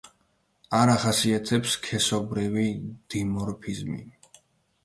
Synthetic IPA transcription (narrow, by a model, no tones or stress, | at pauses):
aɾaχasiat̪ʰɛpskʰɛsɔbɾivid̪̥imɔɾpʰizmḭ